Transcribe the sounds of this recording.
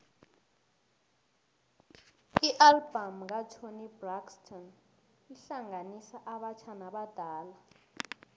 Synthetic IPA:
iʔalbam̩k̬at͡ʃʰonibrakstʰɔn | iɬaŋɡanisaʔaɓat͡ʃʰanaɓad̥ʱaːla

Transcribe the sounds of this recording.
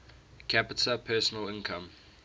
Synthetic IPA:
kʰæpɪtʰəpʰɛːˑsənəlɪ̃nkʰãm

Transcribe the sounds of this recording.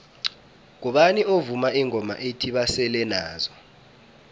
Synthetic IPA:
ŋ̬ɔɓaniovumaʔiŋʱɔma̰ʔetʰiɓasɛlɛnaːzɔ

